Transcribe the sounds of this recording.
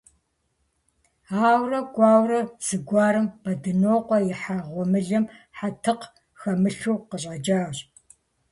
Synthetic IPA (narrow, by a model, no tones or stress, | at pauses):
aːwrɐɡʷɑːwrɐz̥ɨɡʷɑːɾɨmbɐdɨnoːqʷʼɔjɪħaʁʷɔmɨɮɐmħatʰɨq | xɐmɨɬuːqəɕ̬ʼɐd͡ʒaːwɕ